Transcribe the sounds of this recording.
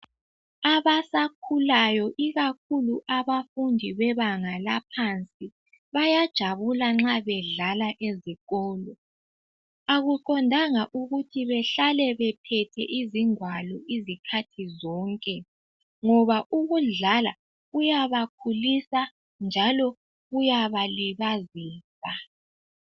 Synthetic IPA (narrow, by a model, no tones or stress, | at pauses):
aβasak̚ʰulajɔʔiɣakʰuluʔaβafundʱiβɛβaŋalapʰant͡sʼi | βajad̥ʒ̥ʱaβulaŋ͡ǁaβɛɮalaʔeziɣɔːlɔ | aɣuǃɔndʱaŋaʔuɣutʰiβɛɬalɛβɛpʰɛtʰɛʔiziŋwalɔʔizikʰatʰizɔːŋkʼɛ | ŋɔβaʔuɣuɮala | ɣujaβakʰulisa | nd͡ʒʱalɔ | ɣujaβaliβaziːsa